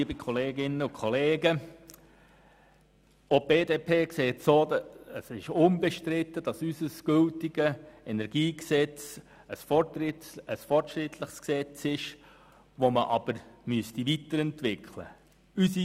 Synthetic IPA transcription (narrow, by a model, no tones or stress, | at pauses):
iəbikʰχɔleːɡɪnəʊkʰχɔleːɡə | ob̥eːdeːpʰeːkseːtsoːəsɪʃʊnbɛʃtɾɪtːəd̥ɑsysəsɡ̥ʏltiɡ̥əɛnɛɾɡ̥iːksɛt͡s | əsfɔɪəsfɔrtʃɾɪt̪ʰləχsksɛt͡sɪʃ | ʋoməʔɑb̥əɾmyəstiʋit̪əɾɛntʋɪklə̰ | ysi